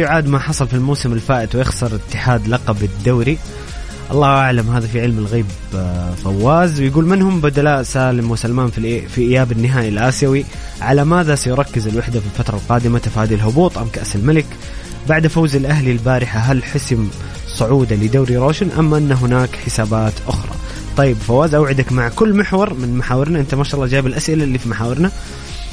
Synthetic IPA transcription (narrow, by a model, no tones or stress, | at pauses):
ajʊʕaːd̪maħɑsˤɑlfilmawsɪmɪlfaːʔɪt̪wjɪxsɑɾˤɪt̪ːɪħaːd̪lɑqɑbɪd̪ːawɾi | ʔɑ̰lˤːɑːʔaʕlamɦaːðafiʕɪlmɪlɣiːb | fawːaːzwjɡuːlmɪnhʊmbad̪alaːʔsaːlɪmwɪsalmaːnffiʔɪjːaːbɪnːɪɦaːjalʔaːsjawi | ʕalamaːðasajʊɾˤɑkːɪzɪlwaħd̪afilfat̪ɾˤɑlqɑːd̪ɪmat̪afaːd̪ilɦʊbuːt̪ˤʔamkaʔsɪlmalɪk | baʕd̪fawzɪlʔaɦlilbaːɾɪħaɦalħʊsm | sˤʊʕuːd̪alɪd̪aːɾiɾˤoːʃɪnʔamːaʔɪnːaɦʊnaːkħɪsaːbaːt̪ʔʊxɾˤɑ̰ | t̪ˤɑjːɪbfawːaːzʔawʕɪd̪akmaʕkʊlːmɪħwɑɾˤmɪnmaħaːwɪɾnaʔɪnt̪amaːʃɑːʔlˤːɑːd͡ʒaːbɪlʔasʔɪlalːifimaħaːwɪɾna